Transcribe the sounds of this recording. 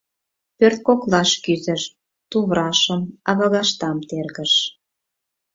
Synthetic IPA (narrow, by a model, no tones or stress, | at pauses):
pørt̪̚koklɑʃkyzə̆ʃ | t̪uβɾɑʃəmɑβɑ̆ɣɑʃt̪ɑmt̪erɣə̆ʃ